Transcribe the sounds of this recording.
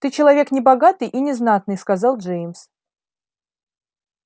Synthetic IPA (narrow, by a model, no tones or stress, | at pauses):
t̪ɨt͡ɕɪlˠɐvʲe̞knʲɪbɐɡat̪ɨjʔinʲɪznat̪nɨjskɐzalˠd͡ʐʐejmʲs